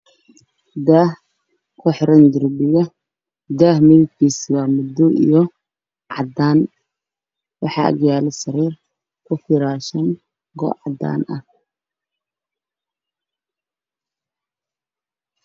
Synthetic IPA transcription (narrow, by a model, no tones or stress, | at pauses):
d̪aːh | kʰʊħɪɾɐnd̪ʊrbɪɣɐ | d̪aːhmɛðɪt̪kʰiːsiwɑːmʊd̪ːɔʔḭjɔ | ʕɑ̰d̪aːn | wɑħɑ̰ːʔɐ̰ɣjaːlɛsɐɾiːr | kʰʊfɪɾaːʃɐn | ɡɔ̰ʕɑ̰d̪a̰ːnʔɐh